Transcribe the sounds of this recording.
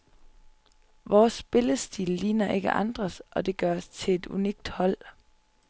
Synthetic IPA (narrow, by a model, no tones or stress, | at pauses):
ʋɒːsːb̥e̝ləsd̥iːlːiːnɐʔe̝ɡ̥ə̰ʔɑ̈nd̥ʁɐsʔɒ̽d̥e̝ɡ̥ɶɐst͡sʰe̝e̝d̥ṵniɡ̥d̥hɒ̽l̰